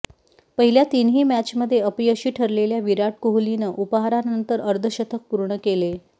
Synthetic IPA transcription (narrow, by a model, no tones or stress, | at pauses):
pəɦiljat̪inɦiːmæt͡ɕməd̪ʱːjeəpiːəɕiːʈʰəɾleljaʋiɾaʈ̚koɦulinəʔupɦaɾanənt̪əɾəɾd̪ʱəɕət̪ʰək̚puɾɳəkele